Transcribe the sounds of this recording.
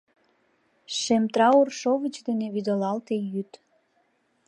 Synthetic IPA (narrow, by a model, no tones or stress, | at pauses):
ʃemt̪ɾɑurʃovət͡ɕd̪eneβyd̪əlɑlt̪ejyt̪